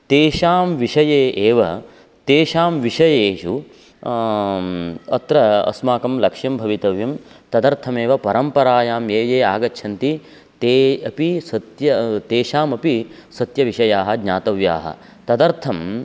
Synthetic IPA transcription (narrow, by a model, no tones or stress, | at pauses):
t̪eːʃaːmʋiʃɐjeːʔeːʋɐ | t̪eːʃaːmʋiʃɐjeːʃu | ɐ̰t̪ɾɐɐ̰smaːkɐmlɐkʂjɐmbʱɐʋit̪ɐʋjɐmt̪ɐd̪ɐɾt̪ʰɐmeːʋɐpɐɾɐmpɐɾaːjaːmjeːjeːaːɡɐtːʃʰɐnt̪i | t̪eːɐpisɐt̪jɐt̪eːʃaːmɐpisɐt̪jɐʋiʃɐjaːɦɐ̆ɡɲaːt̪ɐʋja̰ːɦɐ̰ | t̪ɐd̪ɐɾt̪ʰɐm